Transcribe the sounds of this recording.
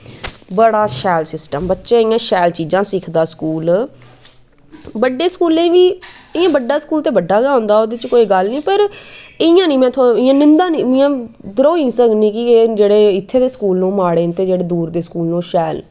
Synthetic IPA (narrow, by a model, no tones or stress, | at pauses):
bəɽaːʃɛːlsɪsʈəmbətːʃeːɪjãːʃɛːlt͡ʃiːd͡ʒãːsɪkʰd̪aːskuːl | bəɖːeːskuːlẽːʋiːɪjãːbəɖːaːskuːlt̪eːbəɖːaːɡaːɦʊ̃ːnd̪aːoːd̪eːt͡ʃkoːiːɡəlnĩːpəɾɪɪjãːnĩːmɛ̃ːt̪ʰːɪjãːnɪ̃nd̪aːniːmɪjãːd̪ɾoːĩːsəɡnĩːkɪeːd͡ʒeːɽeːɪt̪ʰːeːd̪eːskuːlnũːmaːɽeːnt̪eːd͡ʒeːɽeːd̪uːɾd̪eːskuːlnũːʃɛːl